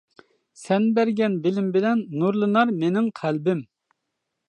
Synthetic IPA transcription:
sɛnbæɾɡʲɛnbɪlɪmbɪlɛnːuɾlˠɨnɑɾmenɪŋqʰælbɪm

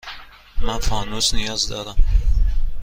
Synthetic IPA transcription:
manfɒːnusnɪjɒːzd̪ɒːd̪am

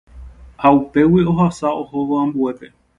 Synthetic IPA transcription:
haupe̞wio̞ɦasaohoʋoãmbue̞pe

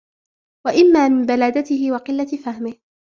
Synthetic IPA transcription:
waʔɪmːaːmɪmbalaːd̪at̪ɪɦɪwɑqɪlːat̪fahmɪh

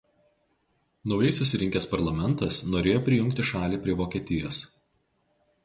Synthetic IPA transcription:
nɒʊjɛɪsʊsʲɪɾʲɪŋʲkʲeːspɐɾlˠɐmʲɛnˑt̪ɐsnoːɾʲeːjoːpʲɾʲɪjʊŋʲkt̪ʲɪʃɑːlʲiːpʲɾʲiɛʋoːkʲiɛt̪ʲɪjoːs

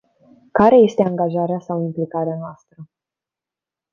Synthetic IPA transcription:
kaɾe̞je̞st̪e̞aŋɡaʒaɾeasawimplikaɾeanoast̪ɾə

